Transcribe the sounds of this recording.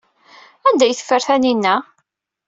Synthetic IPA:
ænd̪æjθə̥fːəɾθæninːæ

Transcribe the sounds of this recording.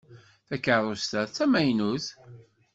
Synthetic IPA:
θækərˤost̪æðt͡sːæmæjnuθ

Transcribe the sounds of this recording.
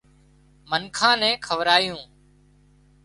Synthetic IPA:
mənkʰãːnɛ̃ːkʰəʋɾaːjũː

